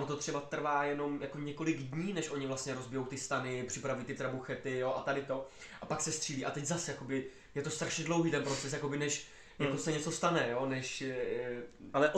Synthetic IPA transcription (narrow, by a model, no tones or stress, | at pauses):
ot̪o̞t̪r̥ɛbat̪r̩vaːjɛno̞mjakoɲɛko̞lɪɡdɲiːnɛʃʔo̞ɲɪvlast̪ɲɛɾo̞zbɪjo̞wt̪ɪst̪anɪpr̥ɪpɾavujiːt̪ɪt̪ɾabuxɛt̪ɪjoʔat̪adɪt̪o̞ʔapaksɛst̪r̥iːliːʔat̪ɛɟzasjako̞bɪ | jɛt̪o̞st̪ɾaʃɲɛdlowɦiːt̪ɛnpɾo̞t͡sɛsjako̞bɪnɛʃ | jako̞sɛɲɛt͡so̞st̪anɛjoːnɛʃ | alɛʔ